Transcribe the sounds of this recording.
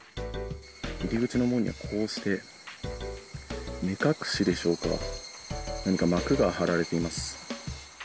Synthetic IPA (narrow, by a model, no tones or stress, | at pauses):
iɾʲiɡɯ̟t͡ɕino̞mo̞ɲ̟ḭβa̰kʰo̞ːɕi̥t̪e̞ | mʲikakɯ̟̥ɕid̪e̞ɕo̞ːka̰ | naɲ̟ikamakɯ̟ɡahaɾaɾe̞t̪e̞imasɨ̥